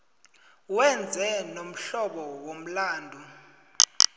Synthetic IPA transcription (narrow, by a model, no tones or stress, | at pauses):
wɛnd͡zʱɛnom̩ɬɔɓɔwom̩laːndʱu